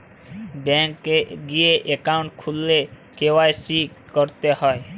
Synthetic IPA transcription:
bɛŋkeɡieʔekaʊɳʈ̚kʰulːe | kewajsi | kɔɾt̪ehɔe

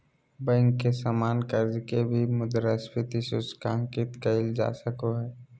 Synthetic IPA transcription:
bɛ̃ŋkːesamaːnkəɾzkebʱimʊd̪əɾəspɪt̪isʊt͡ʃkãːŋkɪt̪kəɪld͡ʒa̰ːsəkoɦɛː

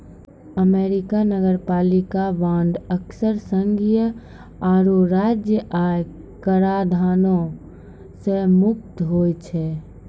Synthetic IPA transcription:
əmeːɾɪkanəɡəɾpaːlikaʋãːɳɖ̪əksəɾsəŋɡʱijə | aːɾuɾad͡ʒjəʔaj | kəɾad̪ʱaːnõ | semʊk̚t̪ɦoːjt͡ʃʰɛ

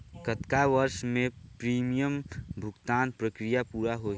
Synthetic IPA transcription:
kət̪kaʋəɾʃmẽpɾiːmijəmbʱʊɡt̪aːnpɾəkɾijapuːɾaɦo

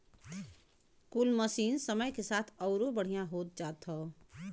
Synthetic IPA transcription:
kʊlməsiːnsəməjkesaːt̪ʰɔːɾobəɽ̤ijãɦoːt̪̚d͡ʒaːt̪ɔ

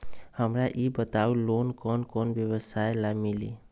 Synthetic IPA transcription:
həmɾaʔibət̪awlonkɔnkɔnbjeβɔsajlamilḭ

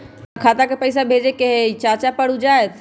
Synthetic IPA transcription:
kʰaːt̪akepɐis̬abʱeːd͡ʑekeɦt͡ɕaːt͡ʃapɐɽ̤ud͡ʒaːet̪ʰ

